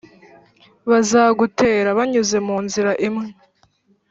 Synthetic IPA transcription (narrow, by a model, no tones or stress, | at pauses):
βazaːɡutʰe̞ːɾaβaɲuze̞muːnziɾaʔemŋe